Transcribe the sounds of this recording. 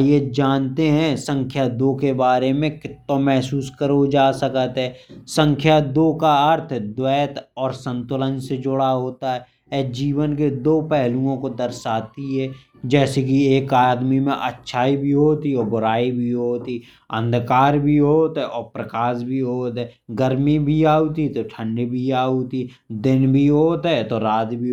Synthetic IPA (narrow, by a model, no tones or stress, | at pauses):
jed͡ʒaːnt̪eɦɛ̃sə̃ŋkʰjad̪oːkebaːɾemẽkɪt̪ːõmɛɦsuːskəɾod͡ʒaːsəkət̪ɦɛːsə̃ŋkʰjad̪oːkaəɾt̪ʰd̪wɛːt̪ɔːɾsə̃nt̪ʊlənsed͡ʒʊɽaɦoːt̪aɦɛ | ɛd͡ʒiːʋənk̬ed̪oːpɛɦlũõkod̪əɾsaːt̪iɦɛː | d͡ʒɛːsek̬ieːkaːd̪mimḛ̃ʔə̰tːʃʰaːibʱiɦoːt̪iɔːbʊɾaːibʱiɦoːt̪i | ə̰̃nd̪kaːɾbʱiɦoːt̪ɦɛʔɔːɾpɾəkaːsbʱiɦoːt̪ɦɛɡəɾmibʱiaːut̪it̪oʈʰə̃ɳɖibʱiaːut̪i | d̪ɪnbʱiɦoːt̪ɦɛt̪oɾaːt̪bʱi